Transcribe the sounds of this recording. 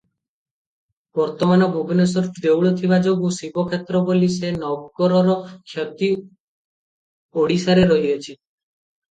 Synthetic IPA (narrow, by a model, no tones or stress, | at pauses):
b̥ɔɾt̪ɔmanɔbʱubɔnesɔɾid̪ewɭɔt̪ʰibad͡ʒoɡusibɔkʰet̪ɾɔbolisenɔɡkɔɾɔɾɔkʰjɔt̪i | oɽisaɾeɾɔɦiɔt͡ʃʰi